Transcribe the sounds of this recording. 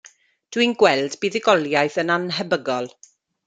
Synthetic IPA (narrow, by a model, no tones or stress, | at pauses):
d̥winɡwɛlˠdbiːðɪɡɔlˠjajθənanɦəbəɡɔlˠ